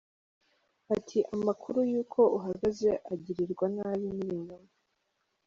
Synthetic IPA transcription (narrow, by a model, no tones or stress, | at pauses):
atʰiʔamakʰuɾujuːkʰo̞uɦaɡaze̞ʔaɟiɾiɾɡwanaːβiniβiɲoma